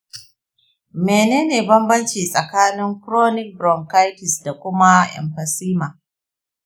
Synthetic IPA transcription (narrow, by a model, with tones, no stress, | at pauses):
meː˨neː˦neː˨bɐ˦mbɐ˦nt͡ʃiː˨sʼɐ˨kaː˦nɪ˦ŋkɾoː˦nɪ˦k̚bɾɔ˨ŋka˦jkɪ˨sda˨kʷʊ˦ma˦ʔɛ̰˨mɸɐ˨siː˦maː˨